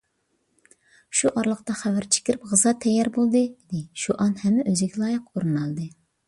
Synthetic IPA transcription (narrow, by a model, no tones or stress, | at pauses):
ʃuʔɑɾlˠəqt̪ɑχævæɾt͡ʃʰe̥kʲiɾɪp̚ʁɨzɑt̪ʰɛjːɛɾbolˠd̪ɨd̪ɪʃuʔɑnhɛmːɛʔøzɪɡʲɛlˠɑːjəqoɾɨnɑlˠd̪ɨ